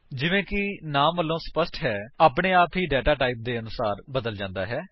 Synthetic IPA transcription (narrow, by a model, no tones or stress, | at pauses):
d͡ʒɪʋẽːkɪnaːmʋəlːõːspəsʈɦɛːaːpɳeːaːpɦiːɖɛːʈaːʈaːɪːp̚d̪eːənʊsaːɾbəd̪əld͡ʒãːnd̪a̰ːɦɛː